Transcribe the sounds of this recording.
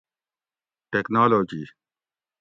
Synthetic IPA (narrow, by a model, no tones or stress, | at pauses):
ʈeknaːloːd͡ʒiː